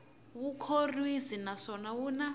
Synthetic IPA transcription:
βukʰorwizinasɔnawuna

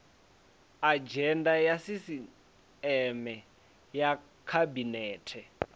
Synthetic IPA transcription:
ad͡ʒɛndajasisi | ɛmɛ | ja | kʰabinɛːtʰɛ

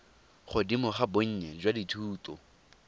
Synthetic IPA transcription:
χʊdimʊχaboɲ̩ɲɛd͡ʒwaditʰuːtɔ̰

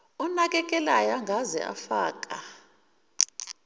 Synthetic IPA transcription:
ɔnak̬ʼɛk̬ʼɛlajaŋɡʱazɛ̰ʔa̰fa̰ːk̬ʼa

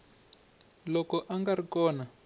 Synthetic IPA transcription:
lɔkɔʔaŋɡarikɔːna

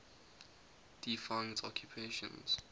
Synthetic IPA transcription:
d̥ifãɪ̃ntʰɔkʰjupʰeʃə̰̃nz̥

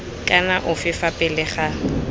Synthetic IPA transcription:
kʼanaʔʊfɪfapʼɪlɪχa

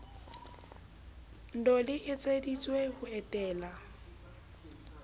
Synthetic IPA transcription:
n̩dɔlɪʔɪt͡sʼedit͡sʼwehʊɛtʼɛːla

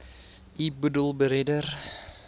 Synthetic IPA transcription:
ʔibudəlˠbəɾedər

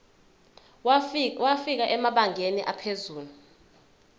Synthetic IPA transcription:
wafik̬aʔɛmaɓaŋʱeniʔapʰezuːlu

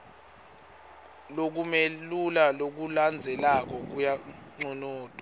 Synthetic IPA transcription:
lok̬umelulalok̬uland͡zʱɛlak̬ɔk̬ujaŋ͡ǀɔnɔːtʼɔ̥

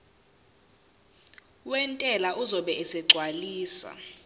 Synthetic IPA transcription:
wɛntʼɛlaʔuzɔɓɛɛsɛɡ͡ǀʱwaliːsa̰

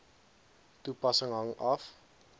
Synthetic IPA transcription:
tupɐsəŋɦɐŋɐf

